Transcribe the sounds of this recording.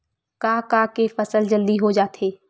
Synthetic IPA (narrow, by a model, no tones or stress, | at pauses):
kaːkaːkefəsəld͡ʒəld̪iɦod͡ʒaːt̪ɦeː